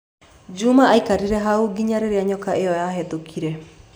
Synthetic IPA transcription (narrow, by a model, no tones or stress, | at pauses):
d͡ʒumaːikaɾiɾɛɦaoɡiɲaɾeɾeaɲɔkaʔejɔjaɦɛtokʰiɾɛ